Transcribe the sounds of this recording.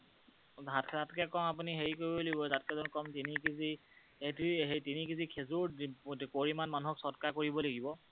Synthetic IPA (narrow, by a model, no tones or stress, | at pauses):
zʱatatkɛkɔmap̬uniɦeɹikoɹibɔlaɡibɔzat̚kɛzɔnkɔmtinikizi | hetiɦetinikizikʰezuɹdkoɹimanmanuɦɔksɔtkakoɹibɔlaɡibɔ